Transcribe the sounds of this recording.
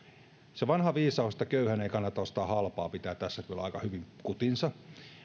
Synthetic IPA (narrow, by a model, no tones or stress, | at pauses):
seʋɑnhɑʋiːsɑust̪ɑkøyhæneikɑnːɑt̪ɑost̪ɑːhɑlpɑ̰ːpit̪æːt̪t̪æsːæk̪yølɑikɑhyʋiŋkut̪insɑ